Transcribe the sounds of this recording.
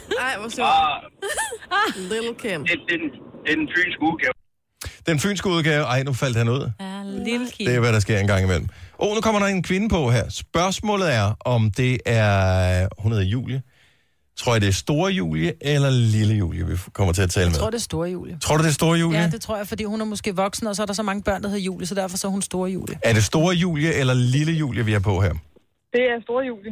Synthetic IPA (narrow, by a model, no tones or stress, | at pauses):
ɪ | lkʰe̥d̥end̥enfy̰ːnsɡ̥əuðˠɡ̥ɛː | d̥enfy̰ːnsɡ̥əuð̞ˠɡ̥ɛːʊʔɑ̈ɪnufæl̰d̥hænuð̰ˠ | d̥eæʋæɾɑ̈s̬ɡ̥e̝ɐ̰enɡ̥ɑ̈ŋ̰imel̰m̩ʔonukʰɒ̽m̰ɐɾɑe̝nkʰʋe̝nəpʰɒ̽ɦæɐ̰sb̥ɶɐsmɔ̰̽ːlð̩ˠæɐʔɒ̽md̥e̝æɐhunɐðˠjṵːljə | t͡sʰʁo̰ɐ̰jɐd̥e̝sd̥o̝ːɐjṵːljəʔelɐliləjṵːljəʋikʰɒ̽m̰ɐt͡sʰe̝æt͡sʰɛːləmʁo̰desd̥o̝ːɐjṵːljət͡sʰʁo̝ɐ̰ɾud̥esd̥o̝ːɐjṵːljəd̥et͡sʰʁo̰ɐ̰jafɒd̥ḭːhunæɐmɔ̽sɡ̥e̝̰ːʋɒ̽ɡ̥sn̩əɒ̽s̬ɒ̽æɐɾ̥ɑs̬ɒ̽mɑ̈ŋəb̥ɶɐ̰nd̥ɐhe̝jṵːljəsɒ̽d̥æɐfɒ̽sɒhunsd̥o̝ːɐjṵːləæɐɾ̥e̝sd̥o̝ːɐjṵːljəʔelɐliləjṵːljəʋiæɐpʰɒ̽ɦhæɐ̰ | d̥e̝æɐsd̥o̝ːɐjuːljə